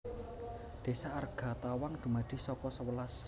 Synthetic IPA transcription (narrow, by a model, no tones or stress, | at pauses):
d̪̥e̤saarɡ̥a̤t̪awaŋd̪̥ṳmad̪̥i̤sɔkɔsəwəlas